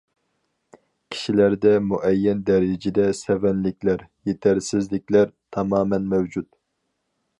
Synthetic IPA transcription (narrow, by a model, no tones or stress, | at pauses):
kʲʰi̥ʃilæɾd̪ɛmuʔɛjːɛnd̪ɛɾɪd͡ʒɪd̪ɛsɛvɛnlɪkʲʰlæɾjet̪ʰæɾsɪzlɪkʲlæɾt̪ʰɑmɑːmɛnmɛwd͡ʒut̪